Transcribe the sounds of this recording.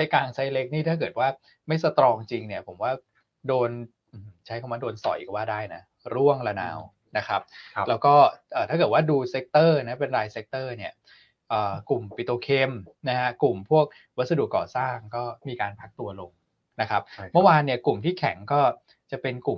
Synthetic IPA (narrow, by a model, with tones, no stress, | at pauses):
a˦˥˩kaː˧ŋsa˦˥jle˦˥k̚niː˥˩t̪ʰaː˥˩k̬ɤː˨˩t̪̚waː˥˩ | ma˥˩jsa˧t̪ɾɔː˧ŋt͡ɕi˧ŋni˦˥˩ɐpʰo˩˦mwaː˥˩ | doː˧n | ʔɯː˨˧˩m˩t͡ɕʰa˦˥jkʰa˧˩maː˧˥doː˧nsɔ̰˨˩˦jka˦˩waː˥˩daː˥˩jna˦˥ | ɾu˥˩əŋla˧na̰ː˧w | na˦˥kʰa˦˥p̚lɛː˦˥wkɔː˥˩ʔəː˨˩t̪ʰaː˥˩kɤː˨˩t̪̚waː˥˩duː˧se˦˥k̚t̪ɤː˥˩na˦˥pe˧nɾaː˧jse˦˥k̚t̪ɤː˥˩ni˥˩ɐ | ʔɤː˨˩ku˨˩mpi˨˩t̪oː˧kʰeː˧mna˦˥ha˦˥ku˨˩mpʰu˥˩ək̚ | wa˦˥t̪̚sa˧du˨˩kːɔ̰ː˨˩saː˥˩ŋkɔː˥˩miː˧kaː˧npʰa˦˥k̚t̪u˧ɐlo˧ŋ | na˦˥kʰa˦˥p̚mɯ˥˩˨waː˧nːi˥˩əklu˨˩mt̪ʰiː˥˩kʰɛ̰˩˦ŋkɔː˥˩ | t͡ɕa˨˩pe˧nku˨˩m